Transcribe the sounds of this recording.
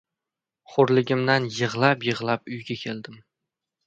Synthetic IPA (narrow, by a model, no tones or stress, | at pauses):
χʊɾlɪɡʲɪmd̪anjɨʁlˠapjɨʁlˠap̚ʊjɡʲakʲʰe̞ld̪ɪm